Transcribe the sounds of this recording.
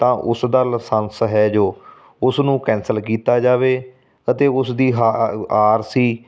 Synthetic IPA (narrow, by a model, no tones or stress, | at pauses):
t̪ãːʔʊsd̪əlsə̃nsɦɛːd͡ʒoː | ʊsnũːkɛ̃ːnsəlkiːt̪aːd͡ʒaːʋeː | ət̪eːʊsd̪iːɦaaːɾsiː